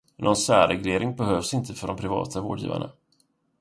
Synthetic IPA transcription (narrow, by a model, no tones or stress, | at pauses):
nʔɔnsæːɾɛɡleːɾɪŋbɛɦøːvsɪnt̪ʰəfœɖɔmpʰɾɪvɑ̰ːt̪ʰavoːɖjḭːva̰ɳa̰